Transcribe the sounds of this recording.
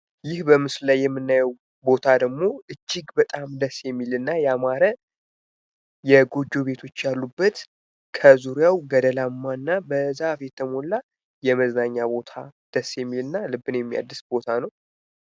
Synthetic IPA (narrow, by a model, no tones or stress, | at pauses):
jɪhbəmɨslajːɛmːɨnːajəw | bo̞t̪ʰad̪əɡmo̞ɨt͡ʃːɪɡbət̪ʼamd̪əsjɛmːilɨnːajɛamaɾə | jɛɡo̞d͡ʒːo̞βe̞t̪ʰo̞t͡ʃːjalːubːət̪ | kʰəzuɾjawɡəd̪əlamːanːabəzafjɛt̪ʰːəmo̞lːa | jɛməznaɲːabo̞t̪ʰa̰d̪̥əsːjɛmːilɨnːalɨbːɨnjɛmːija̰d̪ːɨsbo̞t̪ʰanəw